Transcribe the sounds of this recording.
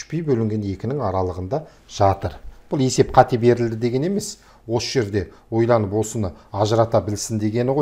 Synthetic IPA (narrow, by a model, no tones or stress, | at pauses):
ʃpejbɵlɪŋɡʲe̞ne̞kʲɪnɪŋɑɾɑlˠəʁənd̪ɑ | ʒ̥ɑt̪əɾb̥ʊlˠe̞se̞pqʰɑt̪ebe̞ɾɪld̪ɪd̪e̞ɡʲe̞ne̞me̞s | wo̞səʒe̞ɾd̪e̞wo̞jlˠɑnəpwo̞sənəɑʒəɾɑt̪ɑbɪlsɪnd̪e̞ɡʲe̞nɪʁoj